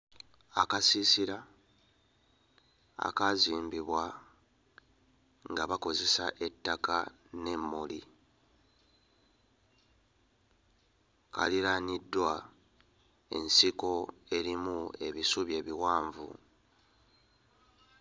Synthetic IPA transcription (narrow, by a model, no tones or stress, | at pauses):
akasisiɾa | a̰kaziːmbiβwa | ŋɡaβako̞ze̞sa̰ʔe̞tːaka | ne̞mːoli | ka̰liɾanidːwa | e̞̰nsiko̞e̞ɾimue̞βisuβje̞ːβiwaːɱvṵ